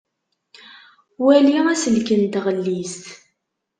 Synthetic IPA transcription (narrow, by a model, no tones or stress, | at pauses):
wæliʁæsəlkənt̪ʁəlːist̪